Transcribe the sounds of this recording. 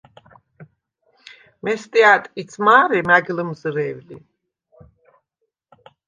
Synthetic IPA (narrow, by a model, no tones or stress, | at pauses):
mɛst̪ʼiat̪ʼkʼisʰmaːɾɛmaɡlmzɾɛvlḭ